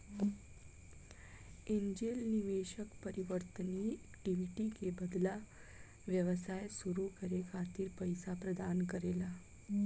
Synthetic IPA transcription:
eɲd͡ʑelniʋeʃəkpəɾiʋəɾt̪ənikʈiʋiʈikebəd̪la | ʋjəʋəsajsuɾukəɾekʰat̪iːɾpəjsapɾəd̪ankəɾela

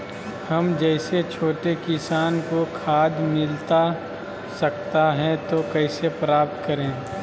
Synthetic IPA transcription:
hɐmd͡ʒɛɪset͡ʃʰoːʈekɪsaːnkokʰaːd̪mɪlt̪a | sɐk̚t̪aɦɛ̃t̪okɛɪsepɾaːp̚t̪kɐɾẽː

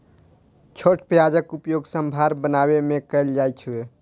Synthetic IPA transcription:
t͡ʃʰoʈpjad͡ʒəkupjoɡsəmbʱaɾbənabemekəɪld͡ʒajt͡ʃʰue

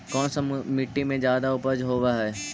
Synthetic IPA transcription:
kɔːnsamɪʈːimẽd͡ʒjaːd̪aʊpəd͡ʒɦoːwaɦɛː

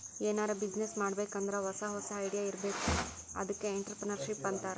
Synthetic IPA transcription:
eːnaːɾɐbid͡ʒnesmaːɽbeːkɐnd̪ɐɾɐɦɔsɐɦɔsɐːjɽijaiɾbe̞ːku | ɐ̰d̪ɐkːe̞ːɳʈɐɾpɾɐnɐɾʃipːɐnt̪aːɾe

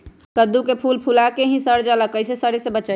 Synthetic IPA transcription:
kəd̪ukepʰulpʰulakeɦĩsəɾd͡ʒaləkːəjsesəɾesebət͡ʃə

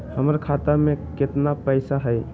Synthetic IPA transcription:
həməɾkʰat̪amẽkɪt̪napəɪsaɦəj

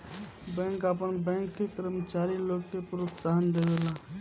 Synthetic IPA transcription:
bɛ̃ŋkapənbɛ̃ŋkːekəɾmət͡ʃaɾiloɡkepɾot̪saɦənd̪ed̪ela

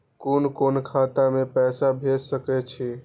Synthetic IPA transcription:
konkonkʰat̪amepɛsabʱed͡ʒsəkɛt͡ʃʰɛ

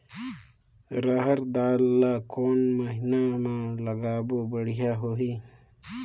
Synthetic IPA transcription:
ɾaɦɐɾd̪aːlːakoːnmɐɦinamãlɐɡaːbobɐɽ̤ijaɦoɦi

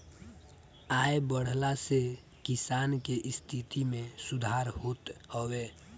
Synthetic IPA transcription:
ajbəɽ̤lase | kisankeʔist̪ʰit̪imesud̪ʱaɾɦot̪həwe

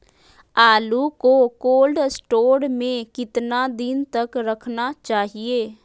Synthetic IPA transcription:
aːlukokoːlɖsʈoːɽmẽkɪt̪nad̪ɪnt̪əkɾəkʰnat͡ʃaːɦieː

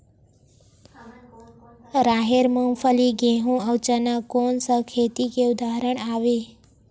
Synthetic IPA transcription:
ɾaɦeɾməmfəliɡẽɦũəwt͡ʃənakonsəkʰet̪ikeud̪aɦɾəɳ̃aʋe

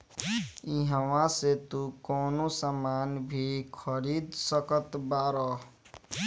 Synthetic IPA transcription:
iɦəwãset̪ukɔːnosamanbʱikʰəɾid̪səkət̪baɾɔ

